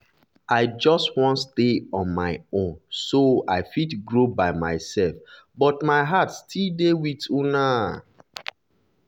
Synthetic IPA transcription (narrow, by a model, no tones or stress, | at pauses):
aɪd͡ʒɔstwɔ̃nsdeɔ̃nmaɪõnsoaɪfitɡɹobaɪma̰ɪsɛlf | bɔtmaɪɦatstʰildewituna